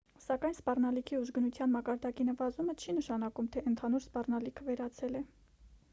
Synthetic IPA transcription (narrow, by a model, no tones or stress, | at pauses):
sɑkɑjnspɑrnɑlikʰiuʒɡənut͡sʰjɑnmɑkɑɾd̪ɑkinəvɑzumət͡ʃʰinəʃɑnɑkumt̪ʰɛənt̪ʰɑnuɾspɑrnɑlikʰəvɛɾɑt͡sʰɛlɛ